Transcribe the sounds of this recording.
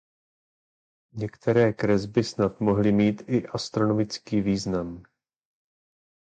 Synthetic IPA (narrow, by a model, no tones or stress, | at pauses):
ɲɛkt̪ɛɾɛːkɾɛzbɪsnat̪mo̞ɦlɪmiːt̪ɪʔast̪ɾo̞no̞mɪt͡skiːviːznam